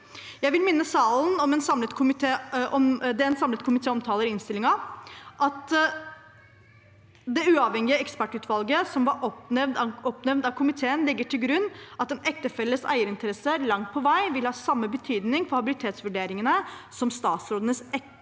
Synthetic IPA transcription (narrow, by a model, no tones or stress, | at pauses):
jæɪʋɪlmɪnːəsɑːlnɔmɛnsɑmlət̪kʰʊmɪt̪ʰeːɔmd̪ɛɛnsɑmlət̪kʰʊmɪt̪ʰeːɔmt̪ʰɑːləɾɪnst̪ɪlɪŋɑʔɑt̪ | d̪ɛʉːɑʋhɛŋɪəɛkspæʈʉːt̪ʰʋɑlɡəsɔmʋɑɾɔɛʋd̪ɔpnɛʋnd̪ɑʋkʰʊmɪt̪ʰeːənlɪɡːəʈʰɪlɡɾʉnːɑt̪ɛnɛk̚t̪əfɛlːəsæ̰ɪəɾɪnt̪əɾɛsəlɑŋt̪̚pʰɔʋæɪʋɪlhɑːsɑmːəbət̪ʰyːd̪nɪŋfɔɾhɑbɪlɪt̪ʰeːt̪sʋʉɖeːɾɪŋənəsɔmst̪ɑːt̪sɾoːd̪ənəsɛ